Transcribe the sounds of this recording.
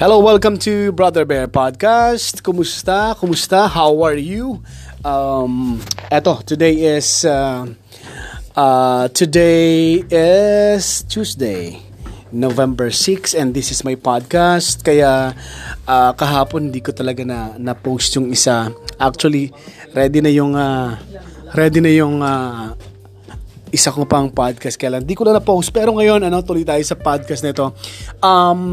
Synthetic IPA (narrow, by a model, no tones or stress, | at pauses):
hɛlowɛlkɐ̃mt̪ʰubɹaðɛɹbɛɹpad̪̚kast̪kʊmʊst̪akʊmʊst̪ahawɐɹjuʔamʔɛt̪o̞t̪ʊd̪ejɪsa | ʔat̪ʰʊd̪ejɪst̪uːsd̪ej | novɛ̃mbɛɹsɪksɛ̃nd̪ɪsɪsmajpad̪̚kast̪̚kɐja | ʔaːkɐɦaːponhɪnd̪iːkot̪ɐlɐɡanɐnɐpowst̪jʊŋɪsaʔak̚t͡ʃuɐli | ɾɛːd̪ɪnɐjʊŋa | ɾɛd̪inɐjʊŋa | ʔɪsakopɐŋpad̪̚kɐst̪kɐjaːlaŋɪnd̪iːkʊlaŋnɐpowst̪̚pɛːɾoŋɐjo̞nɐno̞t̪uːlojt̪aːjosɐpad̪̚kɐst̪nɐɪt̪o̞ʔɐm